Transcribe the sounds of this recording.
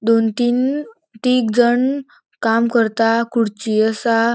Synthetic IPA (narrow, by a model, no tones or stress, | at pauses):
d̪ont̪iːn | ʈ̪ikd͡zəɳ | kamkəɾt̪akuɽt͡ɕiəsa